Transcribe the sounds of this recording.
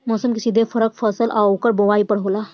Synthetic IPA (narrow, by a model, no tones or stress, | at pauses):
mɔːsəmkisid̪ʱepʰəɾək̚pʰəsəlʔaokəɾbowaːipəɽ̤ɦoːla